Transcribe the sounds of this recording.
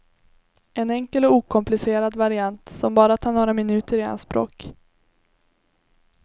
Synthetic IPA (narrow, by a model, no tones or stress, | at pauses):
ʔɛnɛŋkəlɔuːkʰɔmplɪseːɾad̪vaɾɪant̪sɔmbɑːɾat̪ʰɑːɳoːɾamɪnʉ̟ːt̪əɾɪa̰nspɾo̰ːk